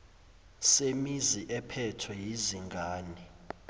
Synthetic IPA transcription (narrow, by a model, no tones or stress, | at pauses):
semiziʔɛpʰɛtʰwɛjiziŋɡʱaːni